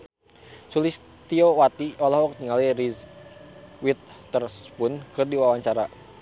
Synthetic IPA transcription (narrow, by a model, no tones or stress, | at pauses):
sulɪs | t̪iowat̪iɔlɔɦɔk̚t̪iŋaliriz | wit̪̚t̪ərspʊnkɨrdiwawaɲt͡ʃaɾa